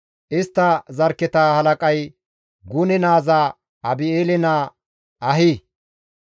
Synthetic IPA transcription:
ʔɪst̪ːɐzɐɾkːɛt̪ahɐlɐkʼɐj | ɡʊnɛnaːza | ɐbɪeːlɛnaː | ʔɐɦiː

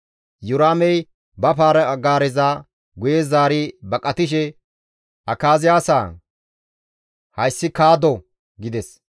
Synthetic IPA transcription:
jʊɾaːmɛj | bɐpaːɾɐɡaːɾɛzaː | ɡʊjeːzaːɾɪbɐkʼɐt̪ɪʃ̬ɛ | ʔɐkaːzɪjaːsaː | hɐjsːɪkaːd̪ɔ | ɡɪd̪ɛs

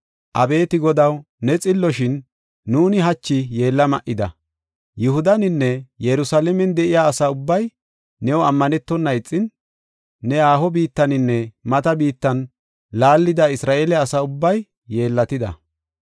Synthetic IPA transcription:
ʔɐbe̞ːt̪ɪɡɔd̪ɐw | nɛt͡sʼɪlːɔʃɪnː | uːnɪɦɐt͡ʃːɪje̞ːlːɐmɐʔɪd̪ɐ̰ | jʊhʊd̪ɐnɪnːɛjɛɾʊsalɛmɛnd̪ɛʔɪjaːsaʊbːɐj | nɛwɔɐmːɐnɛt̪ːɔnːɐɪt͡sʼːɪnː | ɛaːhɔbiːt̪ːɐnɪnːɛmɐt̪ɐbiːt̪ːɐn | laːlːɪd̪ɐɪsɾaːʔeːlɛɐsaʊbːɐjː | e̞ːlːɐt̪ɪd̪ɐ̰

